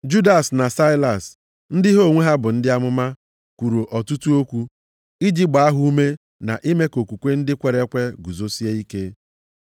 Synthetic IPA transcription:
d͡ʒu˦da˨sna˨sa˦ɪ˦la˨s | n̩˦dɪ˦ɦo˦˨ŋʷe˦ɦa˦bʊ˨n̩˦dɪ˦a˦mʊ˦ma˦ | kʷu˨ɾo˨ʔɔ˨tu˦tu˦o˦kʷu˦ | i˦d͡ʒi˦ɡ͡ba˨a˦ɦʊ˦u˦me˦ | na̰˨ʔi˦me˦ko˨kʷu˨kʷe˦n̩˦dɪ˦kʷe˨ɾe˦kʷe˦ɡu˨zo˦si˦e˦i˦ke˦

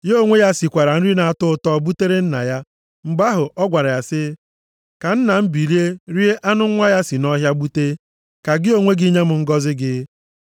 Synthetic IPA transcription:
jo˦ŋʷe˦ja˦si˨kʷa˨ɾa˨n̩˦ɾi˦na˨a˨tʊ˦ʊ˦tɔ˦˨bu˦te˦ɾe˦n̩˦na̰˨ja˦ | m̩˨ɡ͡ba˦ɦʊ˨ʔɔ˦ɡʷa˨ɾa˨ja˨sɪ˦ | ka˨n̩˦na˨m̩˦bi˨ɾi˦e˦ɾi˦e˦ʔa˦nʊ˦ŋʷa˦ja˦si˨nɔ˦ɦja˦bu˦te˦ | ka˨ɡɪ˦o˦ŋʷe˦ɡɪ˦ɲe˦m̩˨ŋ̩˦ɡɔ˦zɪ˦ɡɪ˦

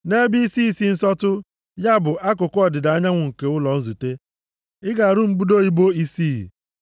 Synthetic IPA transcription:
ne˦bi˦i˦si˦˨si˦n̩˦sɔ˦tʊ˦ | ja˦bʊ˨ʔa˦k̬ʊ˨kʊ˦ɔ˨dɪ˨da˨a˦ɲa˦ŋʷʊ˨ŋ̩˨ke˨ʊ˦lɔ˨n̩˦zu˨te˦ | ɪ˦ɡa˨ɾʊ˦m̩˦bu˦do˦i˦bo˦i˦siː˦ḭ˨

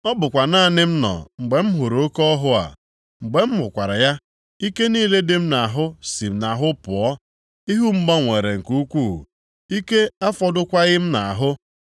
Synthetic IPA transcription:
ɔ˦bʊ˨kʷa˨na˦a˨nɪ˦m̩˦nɔ̰˨ŋ͡m̩˨ɡ͡be˨m̩˦ɦʊ˨ɾo˨o˦kɔ˦ɦʊ˦a̰˨ | ŋ͡m̩˨ɡ͡be˨m̩˦mʊ˨kʷa˨ɾa˨ja˦ | i˦ke˦niː˦le˦dɪ˦m̩˦na˨a˨ɦʊ˦si˨m̩˨na˨ɦʊ˦pʊ˨ɔ˦ | i˦ɦu˦ŋ͡m̩˦ɡ͡bɔ˦ŋʷe˨ɾe˨ŋ̩˨ku˦kʷu˦˨ | i˦ke˦a˦fɔ˦dʊ˦kʷa˦ɣɪ˦m̩˦na˨a˨ɦʊ˦

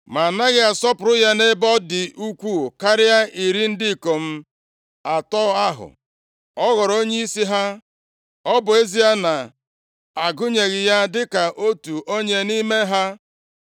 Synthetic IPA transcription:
ma˨na˦ɣɪ˦a˨sɔ˦pʊ˨ɾʊ˦ja˦ne˦bɔ˦dɪ˨ʔu˦kʷu˦ka˦ɾɪ˦ja˦ʔi˨ɾi˦n̩˦dɪ˦˨ko˨m̩˦ | a˨tɔ˦a˦ɦʊ̰˨ | ɔ˦ɣɔ˨ɾo˦ɲe˦i˦si˦ɦa˦ | ɔ˦bʊ˨e˦zi˦ja˦na˨ | a˨ɡʊ˦ɲe˨ɣɪ˨ja˦dɪ˦ka˨ʔo˦tu˨ʔo˦ɲe˦ni˦me˦ɦa˦

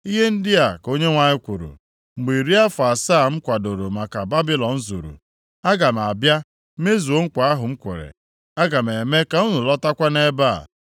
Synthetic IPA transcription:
i˦ɦe˦n̩˦dɪ˦a˨ko˦ɲe˦ŋʷa˨ɲɪ˦kʷu˨ɾṵ˨ | ŋ͡m̩˨ɡ͡bi˨ɾi˦a˦fa˨sa˦˨ŋ͡m̩˦kʷa˨do˨ɾo˨ma˨ka˨ba˦bi˦lɔ˨n̩˦zṵ˨ɾṵ˨ | a˦ɡa˨m˨a˨bja˦ | me˦zu˨o˦ŋ̩˦kʷa˨a˦ɦʊ˨ŋ͡m̩˦kʷʊ̰˨ɾḛ˨ | a˦ɡa˨m˨e˨me˦ka˨u˦nu˨lɔ˦ta˦kʷa˦ne˦ba̰˦˨

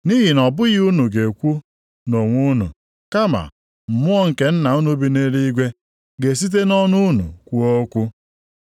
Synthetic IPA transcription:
ni˦ɦi˨nɔ˨bʊ˦ɣɪ˦u˦nu˨ɡe˨kʷu˦ | no˨ŋʷu˦nṵ˨ | ka˦ma̰˨ | m̩˨mʊ˦ɔ˦ŋ̩˨ke˨n̩˦na˨u˦nu˦bi˦ne˦ɾi˦ɡʷe˦ | ɡe˨s̬i˦t̬e˦nɔ˦nu˦nṵ˨kʷu˦o˦kʷu˦

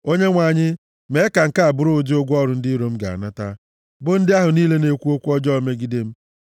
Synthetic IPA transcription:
o˦ɲe˦ŋʷa˨ɲɪ˦ | me˨˦ka˨ŋ̩˨ka˦a˨bʊ˦ɾʊ˦d͡ʒo˦ɡʷɔ˦ɾʊ˨n̩˦dɪ˦ɾo˦m̩˦ɡa̰˨a̰˨na˦ta˦ | bʊ˦n̩˦dɪ˦a˦ɦʊ˨niː˦le˦ne˨kʷu˦o˦kʷu˦ɔ˦d͡ʒɔ˦o˨˦me˦ɡi˦de˦m̩˦

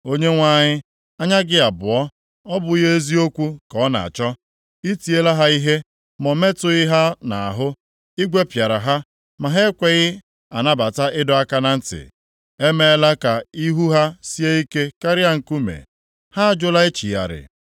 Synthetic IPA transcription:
o˦ɲe˦ŋʷa˦ɲɪ˦ | a˦ɲa˦ɡɪ˦a˨bʊ˨ɔ˦ | ɔ˦bʊ˨i˦ɦe˦zi˦o˦kʷu˦kɔ˨˦na̰˨a̰˨t͡ʃɔ˦ | i˦ti˨e˦la˦ɦa˦i˦ɦe˦ | mɔ˨me˦tʊ˨ɪ˦ɦa˦na˨ɦʊ˦ | ɪ˦ɡʷe˦pja˨ɾa˨ɦa˦ | ma˨ɦe˦kʷe˨ɣɪ˦ | a˨na˦ba˨ta˦ʔɪ˦dɔ˨a˦ka˦na˨n̩˦tɪ̰˨ | e˦me˦˨˦la˦ka˨i˦ɦu˦ɦa˦si˦e˦i˦ke˦ka˦ɾɪ˦a˦ŋ̩˨ku˦mḛ˨ | ha˦a˨d͡ʒʊ˦la˦e˦t͡ʃi˨ja̰˨ɾɪ̰˨

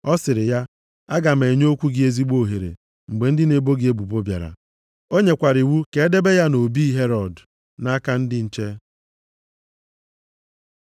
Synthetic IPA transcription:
ɔ˦sɪ˨ɾɪ˨ja˦ | a˦ɡa˨m̩e˨ɲ˦o˦kʷu˦ɡɪ˦e˦zi˦ɡ͡bo˦˨ɦe˨ɾḛ˨ | ŋ͡m̩˨ɡ͡be˨n̩˦dɪ˦ne˨bo˦ɡɪ˦e˦bu˨bo˦bja̰˨ɾa̰˨ | o˦ɲe˨kʷa˨ɾi˨wu˦ke˨˦e˦de˦be˦ja˦no˨bi˦ɦe˦ɾɔ˨d | na˦ka˦n̩˦dɪ˦n̩˨t͡ʃe˦

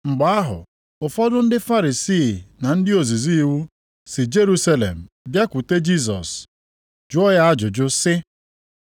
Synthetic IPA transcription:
ŋ͡m̩˨ɡ͡ba˦a˦ɦʊ̰˨ | ʊ˨fɔ˦dʊ˦n̩˦dɪ˦fa˦ɾi˨siː˦˨na˨n̩˦dɪ˦o˨zi˨zi˦i˦wu˦ | sɪ˨d͡ʒe˦ɾu˦sa˦lḛ˨m̩˨bja˦kʷu˨te˦d͡ʒi˦s̬ɔ̰˨s | d͡ʒʊ˦ɔ˦ja˦a˦d͡ʒʊ˨d͡ʒʊ˦sɪ˦

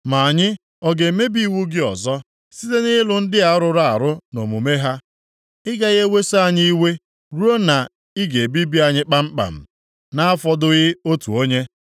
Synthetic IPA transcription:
ma˨a˨ɲɪ˦ | ɔ˦ɡe˨me˦bi˦i˦˨wu˦ɡɪ˦ɔ˨zɔ˦ | si˦te˦nɪ˦lʊ˨n̩˦dɪ˦a˨˦ɾʊ˦˨ɾa˦˨a˨ɾʊ˦no̰˨mṵ˨me˦ɦa˦ | ɪ˦ɡa˦ɣe˦we˦sa˨ɲɪ˦i˦we˦ | ɾu˦o˦na˨ | ɪ˦ɡe˨bi˦bi˦a˨ɲɪ˦k͡pa˦m̩˦k͡pa̰˨m̩˨ | na˦a˦fɔ˦dʊ˦ɣɪ˦o˦tṵ˨o˦ɲe˦

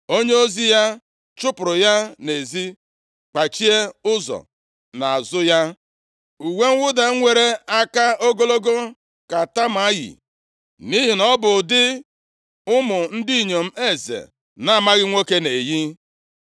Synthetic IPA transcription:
o˦ɲe˦o˦zi˦ja˦ | t͡ʃʊ˦pʊ˨ɾʊ˨ja˦ne˨zi˦ | k͡pa˨t͡ʃi˦e˦ʊ˦zɔ̰˨ | na˨a˨zʊ˦ja˦ | u˨we˦ŋ̩˦wʊ˦da˨ŋ̩˦ŋʷe˨ɾe˦a˦ka˦o˦ɡo˦lo˦ɡo˦ | ka˨ta˦m˨a˦jḭ˨ | ni˦ɦi˨nɔ˦bʊ˨dɪ˦ | ʊ˦mʊ˨n̩˦di˦˨ɲo˨m̩˦e˦zḛ˨ | na˦a˨ma˦ɣɪ˦ŋʷo˦ke˦ne˨ji˦

